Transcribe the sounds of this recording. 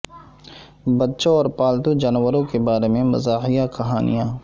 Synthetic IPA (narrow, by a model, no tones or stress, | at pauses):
bɐtːʃõɔːɾpaːlt̪ud͡ʒaːnʋəɾõkebaːɾemẽmɐ̰zaːɦijakɐɦaːnḭjãː